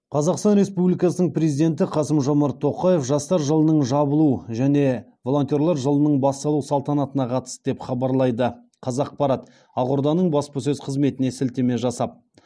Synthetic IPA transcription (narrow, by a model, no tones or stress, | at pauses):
qʰɑzɑqst̪ɑnɾespublijkɑsənəɴpɾezijd̪e̞nt̪̬ɪqʰɑsəmʒo̞mɑɾt̪ʰːo̞qɑje̞fʒɑst̪ɑɾʒəlˠənəɴʒɑbəlˠuʒæne̞ | vo̞lˠo̞nt̪ʲjoɾlˠɑɾʒəlˠənəɴbɑst̪ɑlˠuwsɑlˠt̪ɑnɑt̪ənɑqʰɑt̪ə̥st̪əd̪e̞pχɑbɑɾlˠɑjd̪ə | qʰɑzɑq̚pɑɾɑt̪ | ɑqʊɾd̪ɑnəɴbɑspɑs̬ɵzqʰəzme̞t̪ɪne̞sɪlt̪eme̞ʒɑsɑp̚